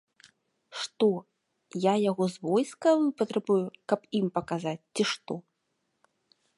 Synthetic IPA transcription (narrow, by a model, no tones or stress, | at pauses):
ʂt̪ɔ | jajaɣɔzvɔjskɐpɐt̪ɾɛbujukɐpimpɐkazat͡sʲt͡sʲiʂt̪ɔ